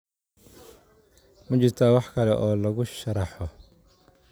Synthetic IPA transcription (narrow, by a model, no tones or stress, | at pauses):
mɐt͡ʃɪrt̪ʰaːwɑħkʰɐlɛʔɔːlɐɣʊʃɐɾɑħɔ